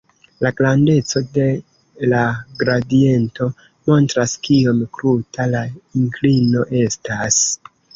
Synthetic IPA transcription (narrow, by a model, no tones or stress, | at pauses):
laɡlande̞t͡so̞de̞ | laɡɾadie̞nto̞ | mo̞ntɾaskio̞mkɾutalaiŋklino̞ʔe̞stas